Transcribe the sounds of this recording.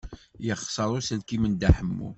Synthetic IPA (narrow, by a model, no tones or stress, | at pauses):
jəχsˤəɾˤusəlkimənd̪aħəmːṵ